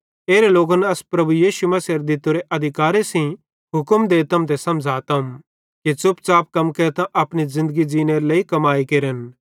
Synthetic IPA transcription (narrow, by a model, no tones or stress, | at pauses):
eːɾeloːɡɐnɐspɾɐbujiːʃumɐsɐɾd̪ɪt̪uɾeʔɐd̪ʱɪkaːɾesĩ | ɦʊkəmd̪eːt̪ɐmt̪esɐ̃md͡ʒʱaːt̪ɐm | kit͡sʊpt͡ʃaːp̚kɐmkeɾt̪ãʔɐpñizɪ̃nd̪əɡid͡ʒiːneɾleːikɐmaːikeɾən